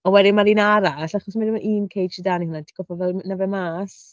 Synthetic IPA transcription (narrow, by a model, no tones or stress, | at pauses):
ɔwɛdimaɾiːnaɾaɬaχɔsmadɪmaʔiːnkʰejdt͡ʃidanihʊnadiɡ̥ɔfɔvɛlnavɛmaːs